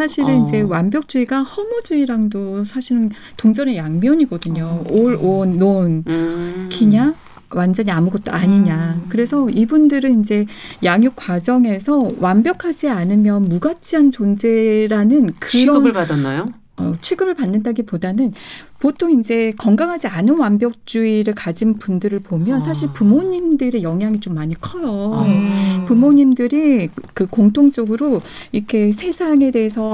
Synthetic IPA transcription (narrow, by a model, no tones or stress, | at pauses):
sʰaɕʰiɾɯnind͡ʑe̞wambjʌk̚t͡ɕ͈uiɡahʌmud͡ʑuiɾaŋdosʰaɕʰiɾɯn | toŋd͡ʑʌnejaŋmjʌɲiɡʌdɯɲooɭonːon | kʰiɲa | wand͡ʑʌɲiamuɡʌt̚t͈o̰aɲiɲakɯɾe̞sʰʌibundɯɾɯnind͡ʑe̞jaŋjuk̚k͈wad͡ʑʌŋe̞sʰʌwambjʌkʰad͡ʑianɯmjʌnmuɡat͡ɕʰiɦant͡ɕond͡ʑe̞ɾanɯnkɯɾʌnadanːajo | ʌt͡ɕʰeɡɯbɯɭpanːɯndaɡipodanɯn | potʰoŋind͡ʑe̞kʌŋɡaŋɦad͡ʑianɯnwambjʌk̚t͡ɕ͈uiɾɯɭkad͡ʑinpundɯɾɯɭpomjʌnsʰaɕʰiɭpumoɲimdɯɾe̞jʌŋɦjaŋit͡ɕomːaɲikʰʌjʌ | pumoɲimdɯɾikɯkoŋtʰoŋt͡ɕ͈ʌɡɯɾo | iɾʌkʰe̞sʰe̞sʰaŋe̞de̞esʰʌ